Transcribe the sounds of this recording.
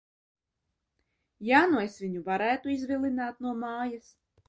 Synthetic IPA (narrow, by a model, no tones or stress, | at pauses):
jaːnuesvʲiɲuvaɾæːt̪uizvʲilˠinaːt̪nuɔmaːjas